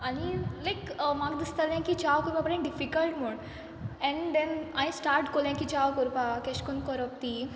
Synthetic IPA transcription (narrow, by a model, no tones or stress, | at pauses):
ɐnilajkmaɡd̪ist̪aljãkit͡ʃaːʋkɔɾpapɐɾãnɖifikəlʈmoɖ | ɛ̃ɳd̪ɛnaj̃sʈaːɾʈkoljãŋkit͡ʃaːwkɔɾpakeʃkunkɔɾɔp̚t̪i